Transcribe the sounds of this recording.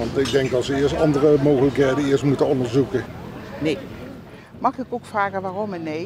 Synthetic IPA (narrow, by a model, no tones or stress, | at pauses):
ɑntɪɡ̚dɛŋkɑsʋəɪəɹstɑndərəmoːɣələkɦejdəɪəɹstmutəɔndəɹzukənej | mɑχɪkowkfraːɣəʋaːrɔmɛnej